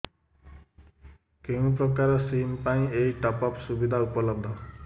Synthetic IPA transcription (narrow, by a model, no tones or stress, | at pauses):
keũpɾɔkaɾɔsimpaĩejʈɔpɔpsubid̪ʱaupɔlɔb̚d̪ʱɔ